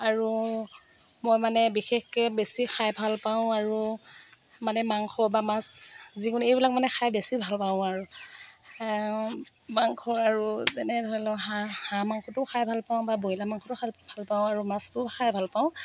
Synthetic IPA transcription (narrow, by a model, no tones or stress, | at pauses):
aɹu | mojmanɛbixexkɛbesixʰajbʱalpaʊ̃aɹu | manɛmaŋkʰɔbamaszikunejbilak̚manɛxʰajbesibʱalpaʊ̃aɹu | maŋkʰɔɹaɹuzɛnɛdʱɔlɔɦahãmaŋkʰɔtʊxʰajbʱalpaʊ̃baboilamaŋkʰɔtʊxʰabʱalpaʊ̃aɹumastʊxʰajbʱalpaʊ̃